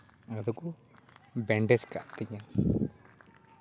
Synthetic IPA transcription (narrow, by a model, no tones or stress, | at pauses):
ad̪ɔku | bɛɳɖɛska̰ʔt̪iɲa